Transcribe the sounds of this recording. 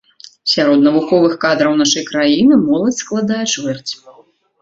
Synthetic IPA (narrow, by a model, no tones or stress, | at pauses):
sʲaɾɔd̪nɐvuxɔvɨxkad̪ɾɐwnaʂɐjkɾajinɨmɔlˠɐt͡sʲsklˠad̪ajɛt͡ʂvɛrt͡sʲ